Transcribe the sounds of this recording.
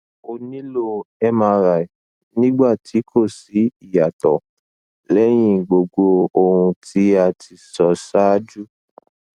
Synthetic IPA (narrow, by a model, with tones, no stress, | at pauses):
o˧nĩ˦lo˧ɛ˧mã˧ɾa˨i˨ | nĩ˦ɡ͡ba˦˨ti˨˦kʰo˦˨si˨˦i˦˨ja˨tɔ˨ | lɛ˨˦j̃ĩ˦˨ɡ͡bo˨ɡ͡bo˧o˧hũ˧ti˨˦a˧tʰi˧sɔ˨sa˦d͡ʒu˦